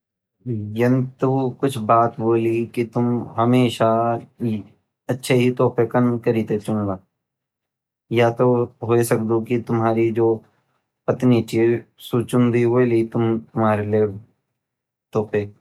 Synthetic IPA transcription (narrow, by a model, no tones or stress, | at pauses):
jɐnt̪ukʊt͡ʃʰbaːt̪boːlikit̪ʊmɦɐmeːʃa | ɐtːʃʰeɦit̪ɔːpekɐnkɐɾiːt̪et͡ʃʊ̃nɡaː | jat̪oɦoisɐk̚d̪okit̪ʊmɦaːɾid͡ʒoː | pɐt̪nit͡ʃiːzsuːt͡ʃʊ̃nd̪iɦoelit̪ʊmt̪ʊmɦaːɾelie | t̪ɔːpe